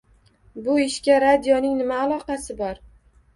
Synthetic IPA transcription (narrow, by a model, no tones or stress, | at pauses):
bʊɪʃkʲaɾad̪jɒnɪŋnɪmaːlˠɒqɑsɪbɒɾ